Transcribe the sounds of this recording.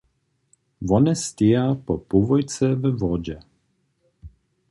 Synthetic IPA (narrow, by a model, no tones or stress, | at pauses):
vɔnɛst̪ʲejapɔpuvɔjt͡sɛvəvɔd͡ʑɛ